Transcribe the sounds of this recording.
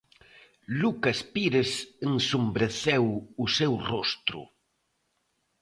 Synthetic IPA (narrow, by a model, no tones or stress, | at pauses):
lukaspiɾesensumbɾeθɛwʊsɛwrɔst̪ɾʊ̰